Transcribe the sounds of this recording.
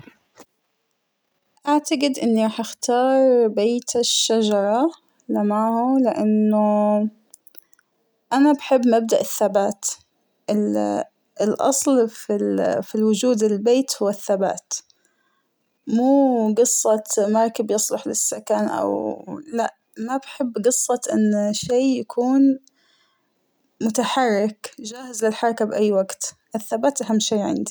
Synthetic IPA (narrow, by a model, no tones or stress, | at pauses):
ʔaʕt̪aɡɪd̪ʔɪnːiɾˤɑːħʔaxt̪ɑːɾˤbeːt̪aʃːad͡ʒɑɾˤɑ | lɪmaʕhʊlɪʔanːʊ | ʔanabħɪbːmab̚d̪aʔɪθːabaːt̪ | ʔɪ | ɪlʔɑ̰sˤlfifilwʊd͡ʒuːd̪ɪlbeːt̪hʊwːaθːaba̰ːt̪ | muːɡɨsˤːɑt̪mɑɾˤkɪbjɨsˤlʊħlɪsːakanʔa̰wlaʔ | mabħɪbːɡɨsˤːɑt̪ʔɪnːʃeːjakʰuːn | mʊt̪aħɑrˤːɪkd͡ʒaːhɪzlɪlħɑɾˤɑkabʔajːwaɡt̪ | ʔɪθːabaːt̪ʔaɦamːʃeːʕɪ̰nd̪i